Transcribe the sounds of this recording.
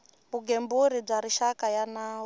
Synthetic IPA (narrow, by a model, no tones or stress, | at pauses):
βuɡembuɾib͡ʐaɾiʃakajanaːw